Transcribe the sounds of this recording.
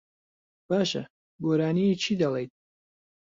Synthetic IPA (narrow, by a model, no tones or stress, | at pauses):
b̥aːʃɐ̰ | ɡoːɾaːnijit͡ʃʰiːd̪ɐlˠejt̪̚